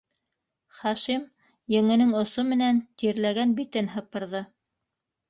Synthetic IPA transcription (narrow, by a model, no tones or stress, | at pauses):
χɑʃim | jɘ̆ŋɘ̆nɘŋŏsomɘ̆nænt̪iɾlæɡænbit̪ɘnɦɤ̆p̚ɤ̆ɾðɤ